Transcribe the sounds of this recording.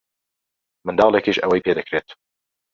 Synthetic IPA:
mɨnd̪ɑːlɛkeʒɛwɛjpʰeːd̪ɨkɾeːt̪

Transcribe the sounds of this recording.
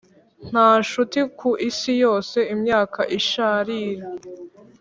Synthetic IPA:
n̥haːʃutikʰuʔisijo̞ːse̞imɲaːkʰaʔiʃaːɾiːɾa

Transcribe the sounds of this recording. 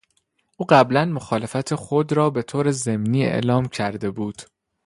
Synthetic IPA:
ʔuːɢæblænmoxɒːle̞fæt̪ʰexo̞d̪ɾɒːbe̞t̪ʰoːɾeze̞mniːḛʔlɒːmcʰæɾd̪e̞buːd̪̥

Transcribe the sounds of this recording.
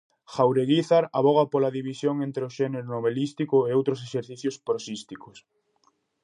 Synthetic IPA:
xawɾeɣiθaɾaβɔɣ̞apolaðiβisjoŋent̪ɾeʊʃɛneɾʊnoβelist̪ikʊeowt̪ɾoseʃeɾθiθjʊspɾosist̪ikos

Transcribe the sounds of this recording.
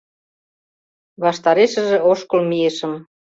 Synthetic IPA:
βɑʃt̪ɑɾeʃə̆ʒĕoʃkolmiĕʃə̆m

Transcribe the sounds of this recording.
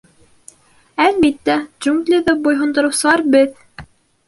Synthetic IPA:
ælbit̪ːæʒuŋɡlʲiðæbujɦŏnd̪ɤ̆ɾɤ̆wsɤ̆lˠɑɾbɘð

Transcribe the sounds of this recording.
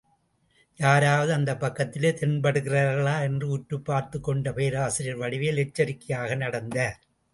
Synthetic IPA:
jaːɾaːʋɐðɯɐnd̪ɐpːɐkːɐt̪ːɪleːt̪ɛnbɐɽɯɣɪrɐːɾɣɐɭaːɛndrɯʊʈːɯpːaːɾt̪ɯkːɔɳɖɐpeːɾaːsɪɾɪjɐɾʋɐɽɪʋeːlɛt͡ʃːɐɾɪkːɪjaːɣɐnɐɽɐnd̪ɐɾ

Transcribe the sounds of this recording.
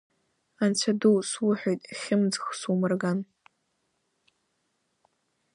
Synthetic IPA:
ant͡sʷʰaduwswʊħʷᶣojtʼχʲɪmd͡zxsumɨrɡan

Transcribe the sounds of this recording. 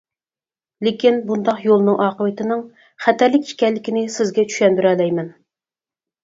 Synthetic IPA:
lɪkʲinbund̪ɑqjolˠnɨŋʔɑːqəvɨt̪ɪnɪŋ | χæt̪ɛɾlɪkʲi̥kʲɛlːɪkʲinɪsɪzɡʲɛt͡ʃʰy̥ʃɛnb̪yɾɛlɛjmɛn

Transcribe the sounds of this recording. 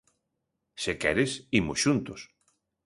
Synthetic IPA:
sekɛɾɪsimʊsʃunt̪ʊs

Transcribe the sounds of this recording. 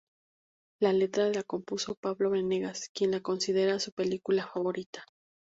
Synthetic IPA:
lale̞t̪ɾaðe̞lako̞mpuso̞paβlo̞βeneɣaskje̞nlako̞nsið̞e̞ɾasupe̞likulafaβo̞ɾit̪ḁ

